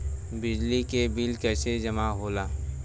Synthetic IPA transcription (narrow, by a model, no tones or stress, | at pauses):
bɪd͡ʒlikebilkɛːsed͡ʒɐmaɦoːlaː